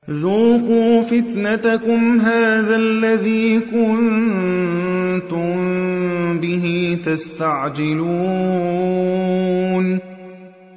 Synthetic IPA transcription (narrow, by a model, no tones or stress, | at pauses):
ðuːquːfɪt̪nat̪akʊmɦaːðalːaðiːkʊn | t̪ʊm | bɪɦit̪ast̪aʕd͡ʒɪluː | n